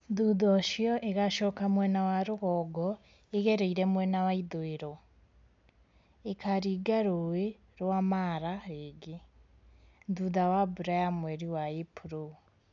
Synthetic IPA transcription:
nduðɔʃiɔʔeɣaʃɔkamwɛnawaɾuɣɔɡɔ | eɣeɾeiɾemwɛnawaiðoeɾo | ekʰaɾiɡaɾowe | ɾwamaɾaeɡe | nduðawabuɾajamweɾiwaepuɾo

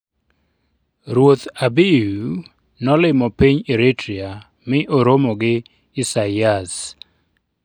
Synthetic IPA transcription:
ɾwot̪abiu | nɔlɪmɔpiɲeɾitɾia | mɪʔoɾomɔɡɪː | sajas

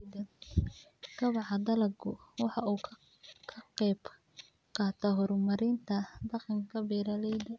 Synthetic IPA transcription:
dɐ | ɡɐβɑʕɑd̪ɐlɐɡʊwɑħɑuː | kʰɐqɛjb | qʰɑːt̪ʰɐɦɔɾmɐɾɪnt̪ʰɐd̪ɑqɪŋkʰɐbiːɾɐlɛjd̪ɐ

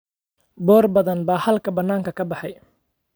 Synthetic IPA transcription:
bɔːrbɐðɐnbaːhɐlkʰɐbɐnːaːŋkʰɐkʰɐbɑħɑj

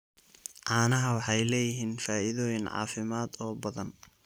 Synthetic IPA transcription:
ʕɑːnɐɦɐwɑħɑjlɛːjɪɦiːnfaːɪðɔːjɪnʕɑ̰ːfɪmaːd̪ɔːbɐðɐn

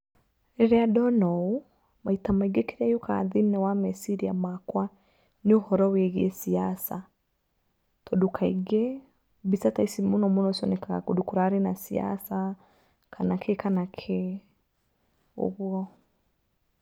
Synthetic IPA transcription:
eɾeadɔnɔu | maitamaiɡekeɾajokʰa̰ðinɛwamɛsiɾiamakwa | neohɔɾɔweɣiesiasa | tɔdukʰaiɡe | bisataisimonɔmonɔsiɔ̰nɛkaɣa̰kodukuɾaɾenasia̰sa | kʰanakʰekanakʰe | o̰βwɔ

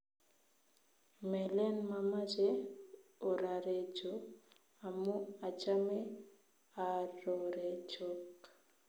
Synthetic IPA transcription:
mɛlɛnmamad͡ʒe | oɾaɾed͡ʒo | amuad͡ʒame | aɾoɾed͡ʒok

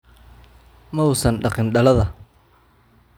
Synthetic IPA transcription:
mɐwsɐnɖɐqɪnɖɐlɐðɐ

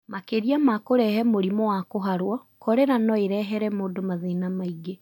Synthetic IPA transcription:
makeɾiamakoɾɛhɛmoɾimɔwakoɦaɾwɔkɔɾɛɾanɔeɾɛɦɛɾɛmoːdomaðenamaiɡe

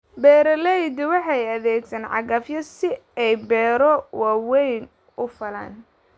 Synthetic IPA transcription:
bɛːɾɐlɛjd̪ɪwɑħɑjɐðɛːɡsɐnʕɑ̰ɣɐfjɐsɪɛjbɛːɾɔwɑːwɛjn | ʊfɐla̰ːn

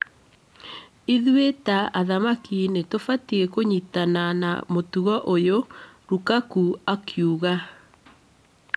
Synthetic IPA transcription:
iðuetaʔaðamakinetofatiekoɲitanana̰motuɣɔʔojoɾukakuakjuɣa

